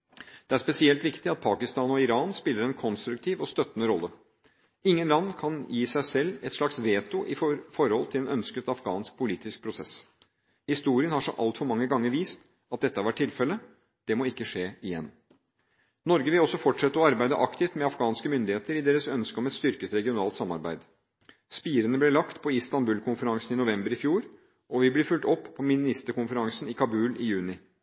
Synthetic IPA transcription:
d̪̥ɛæʂspɛsɪɛlt̪ʋɪkt̪ɪɑt̪̚pʰɑːkɪst̪ɑːnɔɪɾɑːnspɪlːəɾɛnkʰɔnst̪ɾʉk̚t̪ʰiːʋɔst̪œt̪ːnəɾɔlːə | ɪŋːənlɑnːkʰɑnjiːsæɪsɛlːɛt̪ʂɭɑksʋeːt̪ʊʔɪfɔɾhɔlt̪ʰɪlɛnœnskət̪ɑfɡɑ̰ːnsk̚pʰʊliːt̪ɪsk̚pʰɾʊsɛ̰s | hɪst̪uːɾɪənhɑʂɔ̰ʔɑ̰lt̪fɔɾmɑŋːəɡɑŋːəɾʋiːst̪ | ɑt̪̚d̪ɛt̪ːəɑɾʋæʈ̚ʰːɪlfɛlːə | d̪̥ɛmɔɪkːəʂeːɪjɛnː | nɔɾɡəʋɪlɔsːɔfɔʈʂɛt̪ːəɔɑɾbæɪd̪ə̰ʔɑkt̪ʰɪft̪mɛɑfɡɑːnskəmʏnd̪ɪheːt̪əɾɪd̪eːɾəsœnskəɔmɛt̪st̪ʏɾkəsɾɛɡɪʊnɑːlt̪sɑmːɑ̰ɾbæɪd̪ | spiːɾənəblɛlɑkt̪pʰɔist̪ɑnbʉːlkʰʊnfəɾɑŋsənɪnʊʋɛmbəɾɪfjuːɾ | ʔɔʋɪblɪɾfʉlt̪ɔpːpʰːɔmɪnɪst̪əɾkʊnfəɾɑŋsnɪkʰɑbʉːlɪ̰jʉːnɪ

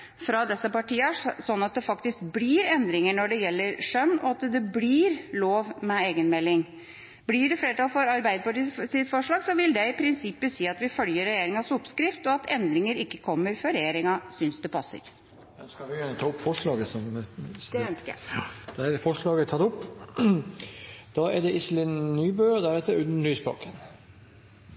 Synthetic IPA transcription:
fɾɑd̪ɛsːəpɑʈiːəsɔnːɑt̪̚d̪ɛfɑkt̪ɪskbliɾɛnd̪ɾɪŋəɳɔɖɛjɛlːəɾʂœnːɔ̰ɑt̪d̪ɛbliɾloːʋmɛeːɡənmɛlːɪŋ | blɪɖɛfleːɾʈ̪ɑːlfɔɾɑɾbæɪd̪əpɑʈiːsɪt̪fɔʂɭɑːɡsɔʋɪld̪ɛɪpʰɾɪnsɪpːəsiːɑt̪ʋɪfœljəɾːɛjeːɾɪŋɑsʊpːskɾɪft̪ɔɑt̪ʰɛnd̪ɾɪŋəɾɪkːəkʰɔmːəɾfɔɾɛjeːɾɪŋɑsʏnsd̪ɛpʰɑsːə̰ɾ | jɑd̪skɑlʋɪjænət̪ʰɑːʊpːfɔʂɭɑːɡəsɔmd̪ɛœnskəæ̰d̪̥ɛɛɾfɔʂɭɑːɡət̪ʰɑːt̪ʊpː | d̪̥ɑːɛɖɛʔɪsəlɪnnːyːbøːɔd̪æɾɛt̪ːəʉnd̪ənlyːspɑ̰ːkʰən

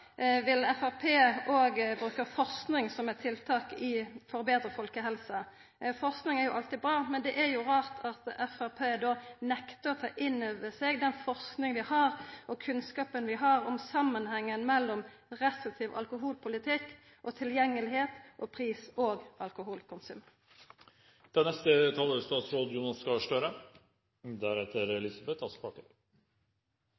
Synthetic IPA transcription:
ʋɪlɛfæʁpʰeːoːɡbɾʉːkəfɔʁsknɪŋsɔmɛt̪ʰɪlt̪ʰɑːkɪfɔɾbeːd̪ʁəfɔlkəɦɛlsə | fɔʁsknɪŋæɾjʊʔɑlt̪ɪbɾɑːmɛnd̪ɛʔæɾjʊʁɑːʁt̪ʰɑt̪ɛfæʁpʰeːd̪oːnɛkt̪əɔt̪ʰɑːʔɪnøːʋəsɛːɡd̪ɛnfɔʁsknɪŋəʋɪhɑɾʔɔkʰʉnskɑːpənʋɪɦɑːɾɔmsɑmːənhɛŋːənmɛlːɔm | ʁɛst̪ɪt̪ʰɪʋʔɑ̰lkʊɦuːlpʰʊlɪt̪ʰɪkː | ʔɔt̪ʰɪljɛŋːəlɪheːt̪ʔopʰʁiːsoːɡɑlkʊɦuːlkʰʊnsʉ̰ːm | d̪̥ɛnɛst̪ət̪ʰɑːləst̪ɑːt̪sɾoːd̪juːnɑskɑʂʈøɾə | d̪æɾɛt̪ːəɾɛlɪsɑbɛt̪ʰɑspɑʈɪ

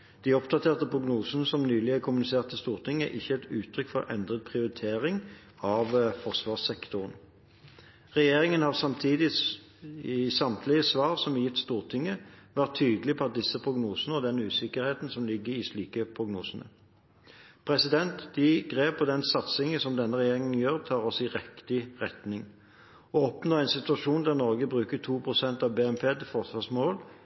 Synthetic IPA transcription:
d̪̥ɪɔp̚d̪ɑt̪ʰeːʁt̪əpʰʁʊɡnuːsən̩əsɔmnyːlɪækʰʊmʉnɪseːʁt̪ʰːɪst̪uːʁt̪ʰɪŋːə̰ʔɪçːəɛt̪ʉːt̪ʰɾʏkfɔɾʔɛ̰nd̪ʁət̪̚pʰʁɪʊʁɪt̪ʰeːʁɪŋ | ɑʋfɔʁsʋɑːʁsɛkt̪ʊʁən | ʁɛjeːʁɪŋənhɑːʁsɑmt̪ʰiːd̪ɪ | ɪsɑmt̪ʰlɪəsʋɑːʁsɔmjɪt̪ːst̪uːʁt̪ʰɪŋːəʋæʁt̪ʰːyːd̪əlɪpʰɔɑt̪̚d̪ɪsəpʰʁʊɡnuːsənəɔd̪ɛnʉːsɪkəʁheːt̪n̩sɔmlɪɡːəɾɪsliːkəpʰʁʊɡnṵːsənə̰ | pʰʁɛsɪd̪ɛnt̪d̪ɪɡʁeːpʰːɔd̪ɛnsɑt̪sɪŋəsɔmd̪ɛnːəʁɛjeːʁɪŋənjøːʁt̪ʰɑːʁɔsɪʁɛkt̪ɪʁɛt̪nɪŋ | ɔɔpnoːɛɪnsɪt̪ʉɑʃuːnd̪æʁnɔʁɡəbʁʉːkət̪ʰuːpʰʁʊsɛnt̪ɑʋbeːɛmpʰeːt̪ɪfɔsʋɑsmoːl

